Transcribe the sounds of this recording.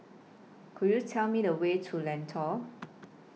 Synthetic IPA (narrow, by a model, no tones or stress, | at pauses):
kʰujut͡sʰaʊmidəwetʰulɛntʰɔ